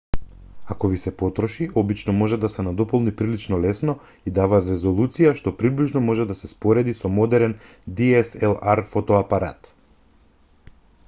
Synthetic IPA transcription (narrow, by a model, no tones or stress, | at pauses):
akɔvisɛpɔt̪ɾɔʃiɔbit͡ʃnɔmɔʒɛd̪asɛnad̪ɔpɔlˠnipɾilit͡ʃnɔlɛsnɔ | id̪avat̪ɾɛzolˠut̪sijaʃt̪ɔpɾibliʒnɔmɔʒɛd̪asɛspɔɾɛd̪isɔmɔd̪ɛɾɛn | d̪iɛsɛlˠaɾfɔt̪ɔapaɾa̰t̪